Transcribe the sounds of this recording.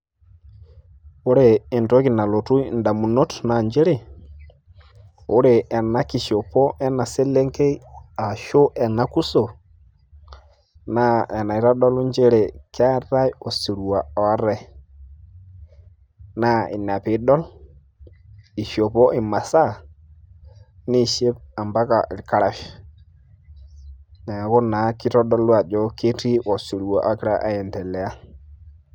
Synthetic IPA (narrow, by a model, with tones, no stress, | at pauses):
o˦ɾeː˨nto˦ki˨na˨lo˨tu˦˨nda˨mu˨no˦tna˨ɲd͡ʒe˦ɾe˦˨ | o˦ɾe˨ɛ˨na˦ki˨ʃo˨po˦ʔɛ˦na˨se˦le˦ŋke˦a˨ʃo˦ʔɛ˨na˨ku˦so˨ | na˦ɛ˨na˨i˦ɾa˦dɔ˦lu˦ɲd͡ʒe˦ɾe˨ka˦ɾa˦jo˨si˨ɾu˨a˨ɔ˨˦ɾɛ˦˨ | na˦i˨na˨pi˨˦dɔ˦l | i˨ʃo˨pɔ˦ʔi˨ma˨sa˦ | ni˦˨ʃe˦p̚a˨mba˦ka˨ʔi˨lka˦ɾa˨f | na˨kɔ˦na˨ki˦tɔ˦dɔ˦lwa˨d͡ʒɔ˦ke˦ti˦ʔo˨su˨ɾu˨wa˨ʔa˦ki˦ɾa˦ʔa̰˦jɛ˨ntɛ˨lɛ˨a˦